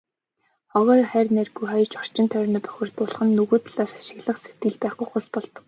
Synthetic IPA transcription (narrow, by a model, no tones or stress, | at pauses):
χɔʁɔːχærʲnærɡujχɔj̆t͡ɕɔr̥t͡ɕɪ̆nt̪ʰœɾʲrʲnɔ̆ːpœ̥xʲɪ̆r̥t̪ʊːɮ̆χə̆nːɵɣoːt̪ɮɔːsḁʃɪ̆ɣɮə̆χset̪̚ɡɘ̆ɮpæːχujχʊspɔɮt̪ɞ̆k